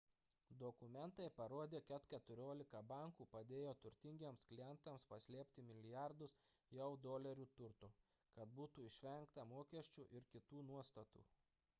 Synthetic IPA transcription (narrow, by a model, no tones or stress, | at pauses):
d̪ɔkʊmʲɛnt̪ɐɪpɐɾoːd̪ʲeːkʲɛt̪kʲɛt̪ʊɾʲoːlʲɪkɐbɐˑŋkuːpɐd̪ʲeːjoːt̪ʊɾʲt̪ʲɪŋʲɡʲeːmsklʲɪjɛnt̪ɐmspɐsʲlʲiːpʲt̪ʲɪmʲɪlʲɪjɑˑɾd̪ʊs | jɛʊd̪oːlʲɛɾʲuːt̪ʊɾt̪ʊ | kɐt̪̚buːt̪uːɪʃʲʋʲɛŋkt̪ɐmoːkʲɛsʲt͡ʃʲuːʔɪɾkʲɪt̪uːnuɔst̪ɐt̪ṵː